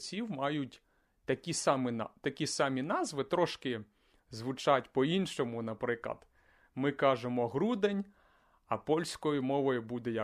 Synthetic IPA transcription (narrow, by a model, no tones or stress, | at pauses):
t͡sʲiwmɑjʊtʲ | t̪ɐkʲisɑmɪt̪ɐkʲisɑmʲinɑzʋɪt̪ɾɔʃkɪ | zʋʊt͡ʃɑtʲpɔinʃɔmʊnɐpɾɪklˠɐ̰d̪̥ | mɪkɑʒemɔɦɾud̪enʲ | ɐpɔlʲsʲkɔjʊmɔʋɔjʊbud̪ɛjɐ